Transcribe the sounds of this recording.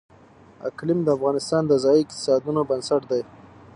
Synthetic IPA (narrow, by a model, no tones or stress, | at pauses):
a̰klɪmd̪əafɣɑnɪst̪ɑnd̪əzɑjiɪqt̪ɪ̥sɑd̪unobənsaʈd̪aj